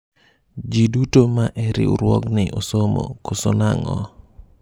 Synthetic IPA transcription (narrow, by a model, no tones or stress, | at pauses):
d͡ʒidutomaʔɛɾɪ̰uɾwɔknɪʔosomo̰kosonaŋɔ